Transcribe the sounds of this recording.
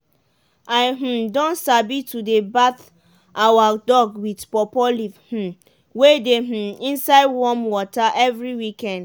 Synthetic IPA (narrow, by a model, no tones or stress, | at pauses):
aɪɦ̩dɔ̃nsabitudebaθ | ʔawadɔɡwidpɔpɔlivh̩ | wedeɦ̩ĩnsaɪdwɔmwɔtaʔɛvɹiwikɛ̃nd